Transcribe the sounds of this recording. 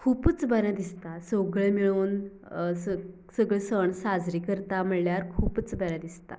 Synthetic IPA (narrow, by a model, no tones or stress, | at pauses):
kʰuːpət͡sbəɾad̪ist̪asoɡɭemiɭuːn | sə | səɡɭesəɳsad͡zɾiːkəɾt̪am̤əljaɾkʰuːpət͡sbəɾãd̪ist̪a̰